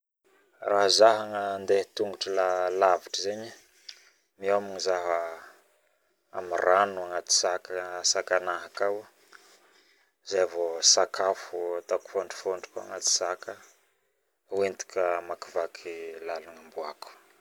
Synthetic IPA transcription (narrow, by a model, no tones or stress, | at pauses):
raɦzaɦaŋənd̪et̪uŋɡuʈ͡ʂəlalaviʈ͡ʂəzeɲi | miamiŋizaɦə | a̰miranuaŋat̪i̥sakəsakanaɦakaw | zajavosakʰafuat̪aku̥foɳɖ͡ʐi̥foɳɖ͡ʐi̥koa̰ŋat̪i̥sakə | went̪i̥kəmakivakʰilalaŋambuaku̥